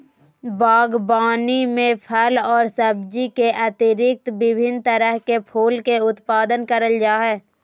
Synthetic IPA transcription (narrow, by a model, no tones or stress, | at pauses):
baːɡbaːnimẽpʰəlɔːɾsəbd͡ʒikeʔɐt̪ɪɾɪk̚t̪bɪbʱɪnt̪əɾəɦkepʰuːlkeʊt̪paːd̪ənkəɾəld͡ʒaːɦɛː